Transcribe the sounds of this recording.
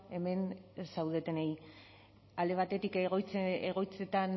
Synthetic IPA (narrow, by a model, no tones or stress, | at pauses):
e̞me̞nsawðe̞t̪enej | ald̪e̞β̞at̪e̞t̪ikɣt͡seɣo̞jt͡se̞t̪an